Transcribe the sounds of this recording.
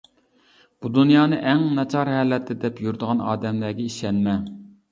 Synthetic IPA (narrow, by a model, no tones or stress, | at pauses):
b̥ud̪unjɑːnɨʔɛŋnɑt͡ʃʰɑɾhɛlɛt̪ʰːɪd̪ɛpjuɾd̪əʁɑnɑ̰ːd̪ɛmlæɡʲɛiʃɛnmɛ